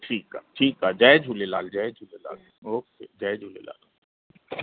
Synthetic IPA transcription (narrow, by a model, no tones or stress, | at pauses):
ʈʰiːka̰ːʈʰiːkaːd͡ʒaːd͡ʒʱuːlela̰ːld͡ʒaːd͡ʒʱuːlela̰ːl | oːksed͡ʒaːd͡ʒʱuːlḛla̰ːl